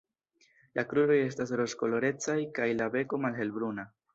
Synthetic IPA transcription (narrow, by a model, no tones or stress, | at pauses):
lʔakɾuɾo̞je̞s̬tas̬ɾo̞sko̞lo̞ɾe̞t͡sajkajlabe̞ko̞malɦe̞lbɾuna